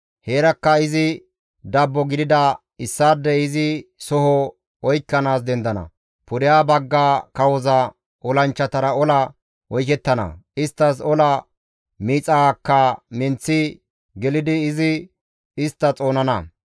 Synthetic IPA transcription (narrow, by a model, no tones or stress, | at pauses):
heːɾɐkːɐɪzɪ | d̪ɐbːɔɡɪd̪ɪd̪ɐ | ɪsːaːd̪ːɛɪzɪsɔhɔ | ɔjkːɐnaːs̬d̪ɛnd̪ɐnɐ̰ | pʊɾɪjaːbɐɡːaːkɐwɔzɐ | ʔɔlɐnt͡ʃːɐt̪ɐɾɐɔlɐ | wɔjkɛt̪ːɐnɐ̰ɪst̪ːɐs̬ɔlɐ | miːt͡sʼɐkːɐmɪnt͡sːɪ | ɡɛlɪd̪ɪːzɪ | ɪst̪ːɐt͡sʼo̞ːnɐnɐ